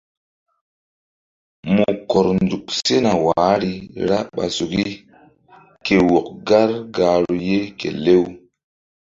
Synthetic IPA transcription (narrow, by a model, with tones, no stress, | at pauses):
mu˨kɔ˨ɾnd͡zu˨kse˦na˨waː˨˦ɾi˦ɾa˦ɓa̰˨su˨ki˦ | ke˨wo˨kɡa˦ɾɡa˨ɾu˨je˦kḛ˨le˦w